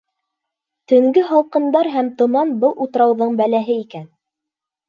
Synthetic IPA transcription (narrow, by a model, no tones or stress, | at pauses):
t̪ɵ̆ŋɡɘɦɑw̪ˠqɤ̆nd̪ɑɾɦæmt̪ŏmɑnbɤlˠʔut̪ɤ̆ɾɑwðɤɴbælæɦɘikæn